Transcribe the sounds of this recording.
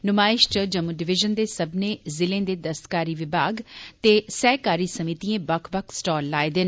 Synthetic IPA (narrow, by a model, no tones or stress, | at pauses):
nʊmaːɪʃʈəd͡ʒɐmuɖɪʋɪʒənd̪esɐbʱnezɪlẽːd̪ed̪ɐst̪kaːɾiʋɪbʱaːɡt̪esɛːkaːɾisɐmit̪iẽbɐkʰbəkʰsʈɔːlːaːed̪ɪn